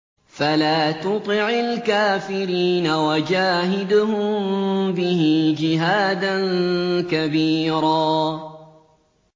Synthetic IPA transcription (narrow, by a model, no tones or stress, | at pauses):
falaːt̪ʊt̪ˤɨʕɪlkaːfɪɾiːnawad͡ʒaːɦɪd̪ʊhʊmbɪhɪd͡ʒɪɦaːd̪ankabiːɾaː